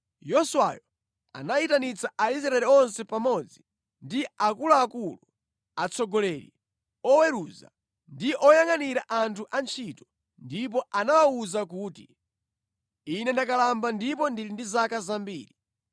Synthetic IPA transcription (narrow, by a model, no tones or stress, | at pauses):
jɔsuwa̰jɔ | a̰naitanit͡saais̬ɾaɛliɔnsɛpamɔd͡zi | ndiakulaːkulu | at͡sʰɔɡɔlɛɾḭ | ɔwɛɾuza̰ | ndiʔɔjaŋaniɾaʔantʰuʔant͡ʃʰitɔ̥ | ndip̬ɔʔanawauzak̬uːti | inɛndakalambandip̬ɔndilindizakazambḭːɾi